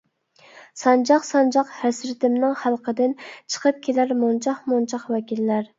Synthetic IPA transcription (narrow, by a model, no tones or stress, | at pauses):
sɑnd͡ʒɑqsɑnd͡ʒɑqhæsɾɪt̪ɪmnɪŋχælˠqʰəd̪ɪnt͡ʃʰə̥qʰəp̚kʲʰelæɾmunt͡ʃʰɑχmunt͡ʃʰɑqwɛkʲilːæɾ